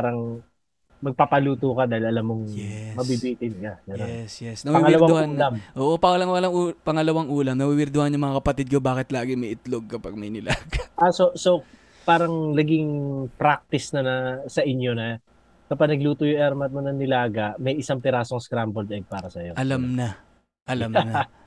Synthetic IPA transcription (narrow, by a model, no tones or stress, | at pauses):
aɾɐŋ | mɐɡ̚papɐluːt̪ukɐd̪aːhɪlɐlamːoŋjɛmɐbibiːt̪ɪnkɐɡɛnj̪oɛsjɛsnɐwɐiwɐlɐwad̪ŋhuːlamʔoːʔopɐŋɐlɐŋwɐlɐŋuːpɐŋɐlɐwaŋʔuːlɐmnɐwiwɪɾd̪ʊhɐnjʊŋmɐŋakɐpɐt̪id̪̚kɐbaːkɪt̪laːɡɪmɐjʔɪt̪loɡ̚kɐpɐɡ̚mɐjnɪlaːɡɐʔasoso | paːɾɐŋlɐɡɪŋpɾak̚t̪ɪsnɐnɐsɐʔɪɲjonɐ | kɐpɐɡ̚nɐɡluːt̪ʊjʊʔɛɾmɐt̪̚monɐŋnɪlaːɡɐʔmɐjɪsɐŋpɪɾaːsoŋskɾambold̪ɐɡ̚paːɾɐsɐjo̞ʔɐlamnɐ | ʔɐlamnɐ